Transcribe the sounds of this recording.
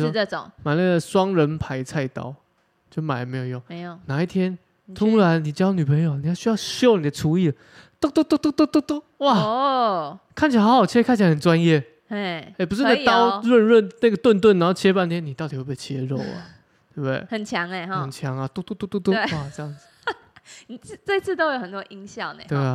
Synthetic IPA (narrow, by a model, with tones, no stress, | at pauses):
ɔ˥˦˧o̰˨˦ŋma˨ɪna˥˩ɡə˩swɑ˥ŋɻə˧˦npʰa˧˦ɪt͡sʰa˥˧ɪt̪ɑ̰˥˦ʊ | t͡ɕjo˥˩ʊma˨˩ə˨˩me˧˥ɪjo˨˩ʊjo˥˩ŋ˧˨na˨˦i˥˩t̪ʰjɛ˥n | t̪ʰu˥ɻa˧˦nni˨˩t͡ɕjny˨˩pʰə˧˦ŋjo˨˩ni˨˩jɑ˥˩ʊɕy˥jɑ˥˧ʊɕjo˥˩ʊni˨d̪ə˦ʈ͡ʂʰu˧˥i˥˩lə˩ | t̪u˥˧t̪u˥t̪u˥t̪u˥t̪u˥t̪u˥t̪u˥˩ | wa˥˨˩ | kʰa˥˩nt͡ɕʰi˨˩a˨˩ht͡ɕʰi˧˥kʰa˥˩nt͡ɕʰa˧˩ə˨˩nt͡swa˦njɛ˥˩˥ | e˥˩p̬u˧ʂ̩˥n˥˩t̪ɑ˦ʊɻə˥˧nɻə˥˨nna˥˩ɡə˩t̪wə˥˧nt̪wə˥˩na˨˦ho˥˩t͡ɕʰjɛ˥pa˥˧nt̪ʰjɛ˥nːi˨˩t̪ɑ˥˩ʊt̪i˨˩we˥˧˩pe˥˩t͡ɕʰjɛ˦ɻo̰˥˨ʊlɐ̰˨˩ | t̪we˥˩bd̪wḛ˥˩hə˨˩nt͡ɕʰjɑ˨˦ŋe˨˧˨ə˨˩nt͡ɕʰjɑ˨˦ŋa˨˧t̪u˥˧t̪u˥t̪u˥˧t̪u˥t̪u˥˧˥a˥˨ʈ͡ʂə˥˧jɑ˥˩ŋd͡z̩˨ | ni˨˩˥t͡swe˥˧ɪt͡sʰɹ̩˥˩t̪o˥ʊjo˨˩hə˨˩nt̪wɔ˦˥ʔi˦ŋɕjɑ˥˨ŋnḛ˨t̪we˥˩˨